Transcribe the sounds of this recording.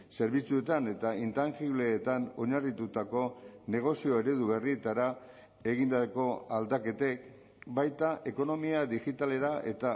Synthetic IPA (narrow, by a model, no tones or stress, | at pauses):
se̞ɾβ̞it͡sue̞t̪ane̞t̪aint̪anxiβle̞ːt̪ano̞ɲarit̪ut̪ako̞ne̞ɣ̞o̞sio̞e̞ɾe̞ðuβe̞rie̞t̪aɾa | e̞ɣind̪ako̞ald̪ake̞t̪e̞k | bajt̪aʔe̞ko̞no̞miaðixit̪ale̞ɾaʔe̞̰t̪a